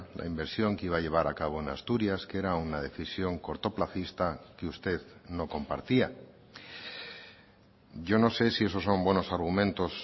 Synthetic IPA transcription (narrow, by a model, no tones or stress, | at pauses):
lʔa̰imbe̞ɾsjo̞ŋkeiβaʎe̞β̞aɾakaβ̞o̞enast̪uɾjaske̞ɾaunað̞e̞θisjo̞ŋko̞ɾt̪o̞plaθist̪akeust̪e̞ðno̞ko̞mpa̰ɾt̪ia | ɟ͡ʝo̞no̞se̞sie̞so̞so̞mbwe̞no̞saɾɣumẽnt̪o̞s